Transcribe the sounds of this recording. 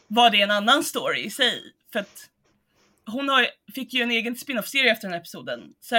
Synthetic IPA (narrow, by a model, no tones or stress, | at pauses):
vaɖɛːnanːanst̪oːɾɪ̰ɪsɛj | fœɾat̪ | ɦʊnhafɪkːjɵɛneːɡənspɪnɔfseːɾɪəɛft̪əɾɖɛnhæɾɛpɪsuːd̪ə̰nsɛ